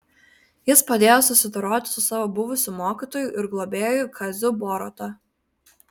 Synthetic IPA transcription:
jɪspɐd̪ʲeːjosʊsʲɪd̪ɐɾoːt̪ʲɪ̥sʊsɑːʋoːbʊʋʊsʲuˑmoːkʲit̪oːjuˑʔɪɾɡlˠoːbʲeːjojʊkʰɐzʲʊboːɾɔ̰t̪o

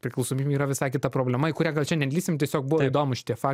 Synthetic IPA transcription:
pʲɾʲɪklˠɐʊsoːmʲiːbʲiːɾɐʋʲɪsɑɪkʲɪt̪ɐpɾoːbʲlʲɛmɐɪkʊɾʲæːɡɐlˠʲt͡ʃʲɛnʲɛd̪ʲlʲiːsʲɪmt̪ʲiɛsʲoːk̚bʊʋɐid̪oːmʊʃʲɪ̥t̪ʲiɛfɑː

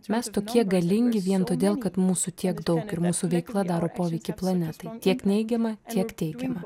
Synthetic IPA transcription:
mʲɛst̪oːkʲiɛɡɐlʲɪŋʲɡʲɪʋʲiɛnt̪oːd̪ʲeːlˠkɐt̪muːsut̪ʲiɛɡd̪ɒʊkɪɾmuːsuʋʲɛɪklˠɐd̪ɑːɾoːpoːʋʲɛɪkʲɪplˠɐnʲɛt̪ɐɪt̪ʲiɛknʲɛɪɡʲɛmɐt̪ʲiɛkt̪ʲɛɪɡʲɛmɐ

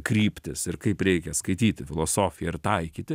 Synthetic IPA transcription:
kɾʲiːpʲt̪ʲɪsɪɾkɐɪpɾʲɛɪkʲɛskɐɪt̪ʲiːt̪ʲɪfʲɪlˠoːsoːfʲɪjɛɪɾt̪ɐɪkʲiːt̪ʲɪ

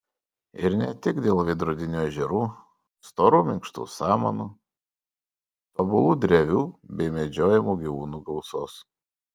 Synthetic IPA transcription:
ɪɾnʲɛt̪ʲɪɡd̪ʲeːlˠʋʲɪd̪ɾuːd̪ʲɪnʲuːɛʒʲɛɾuː | st̪oːɾuːmʲɪŋkʃt̪ṵːsɑːmɐ̰nuː | t̪obʊlˠuːd̪ʲɾʲɛʋʲuːbʲɛɪmʲɛd͡ʒʲoːjɛmuːɡʲiʋuːnuːɡɐʊsoːs

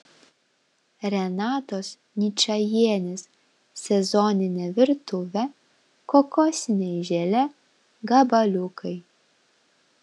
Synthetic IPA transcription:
ɾʲɛnɑːt̪os | nʲit͡ʃɐjiɛnʲes | sʲɛzɔnʲɪnʲɛʋʲɪɾt̪uʋʲɛ | kɔkɔsʲɪnʲɛjʒʲɛlʲɛ | ɡɑbɐlʲukʰɐj

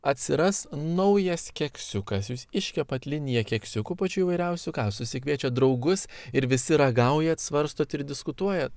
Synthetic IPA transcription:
ɐt̪ʲsʲɪɾɐsnɐʊjɛskʲɛksʲʊkɐsjuːsɪʃʲkʲɛpɐt̪lʲɪnʲɪjɛkʲɛksʲʊkuːpɐt͡ʃʲuiʋɐɪɾʲɛʊsʲʊkɑːsʊsʲɪkʲʋʲiɛt͡ʃʲɛt̚d̪ɾɒʊɡʊsɪɾʋʲɪsʲɪɾɐɡɐʊjɛt̪sʋɐɾst̪oːt̪ɪɾd̪ʲɪskʊt̪uɔjɛt̪

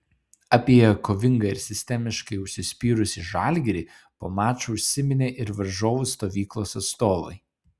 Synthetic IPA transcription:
ɐpʲiɛjɛkoːʋʲɪŋɡɐɪɾsʲɪsʲt̪ʲɛmʲɪʃkɐɪʊʃʲsʲɪsʲpʲiːɾʊsʲiʒɑːˑlʲɡʲɛɾʲiː | po̰ːmɑːt͡ʃoʊʃʲsʲɪmʲɪnʲeːʔɪɾʋɐɾʒoːʋʊst̪oːʋʲiːklˠoːsɐt̪st̪oːʋɐ̰ɪ

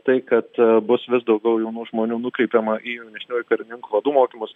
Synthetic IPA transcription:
t̪ɐɪkɐt̪bʊsʋʲɪsd̪ɒʊɡʲɛʊjɛʊnuːʒmoːnʲuːnʊkɾʲɛɪpʲeːmɐʔiːjʊnʲɛʃʲnʲuːɪkɐɾʲɪnʲɪŋkuːʋɐd̪uːmoːkʲimʊs

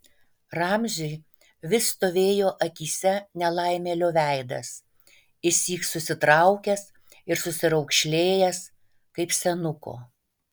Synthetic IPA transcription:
ɾɑmʲʒʲʊj | ʋʲɪst̪oːʋʲeːjoːʔɐkʲiːsʲɛnʲɛlˠɐɪmʲeːlʲoːʋʲæˑɪd̪ɐ̰s | ɪsʲiːksʊsʲɪt̪ɾɐʊkʲɛs | ɪɾsʊsʲɪɾɐʊkʃʲlʲeːjɛs | kɐɪpsʲɛnʊko̰ː

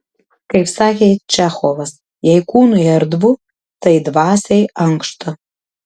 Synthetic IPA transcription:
kɐɪpsɑːkʲejt͡ʃæxoʋɐs | jɛjkuːnujɛɾd̪vu | t̪ɐjd̪vɑːsʲejɐŋkʃt̪ʰɐ

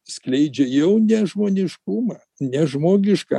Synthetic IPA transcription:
sklʲɛɪd͡ʒʲɛjɛʊnʲɛʒmoːnʲɪʃkumɐ | nʲɛʒmoːɡʲɪʃkɑ̰ː

